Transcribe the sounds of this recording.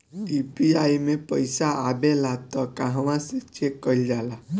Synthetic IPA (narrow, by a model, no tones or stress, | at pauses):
ipiaimẽpəjsaabelat̪ɔkãɦʋãset͡ʃekːəild͡ʒala